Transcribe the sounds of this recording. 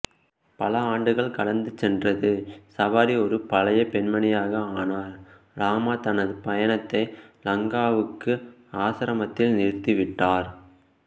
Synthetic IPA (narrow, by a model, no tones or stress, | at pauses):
pɐlɐaːɳɖɯɣɐɭkɐɭɐnd̪ɯt͡ʃːɛndrɐðɯsɐʋaːɾiɔɾɯpɐlɐjɐpɛɳmɐɳɪjaːɣɐaːnaːɾ | ɾaːmat̪ɐnɐðɯpɐjɐɳɐt̪ːɐɪlɐŋɡaːʋɯkːɯ | aːsɐɾɐmɐt̪ːɪlnɪɻɯt̪ːɯʋɪʈːaːɾ